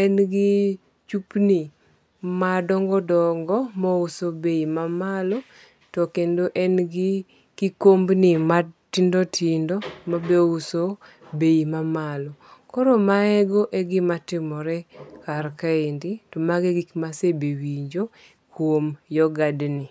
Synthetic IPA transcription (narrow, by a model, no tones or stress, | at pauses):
ɛnɡɪ | t͡ʃupnɪ | madɔŋɡɔdɔŋɡɔmɔʊsobeimamalɔ | tɔkendoʔɛnɡɪ | kɪkombnɪmatɪndɔtʰɪndɔmabeuso | beimamalɔkɔɾomaɛɡoʔeɡɪmatɪmɔɾɛkarkaenditɔmaɡɛɡikmasebewiɲd͡ʒo | kwomjɔɡadnɪ